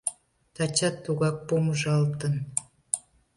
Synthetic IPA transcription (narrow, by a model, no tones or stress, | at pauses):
t̪ɑt͡ɕɑt̪ːuɣɑk̚poməʒɑlt̪ən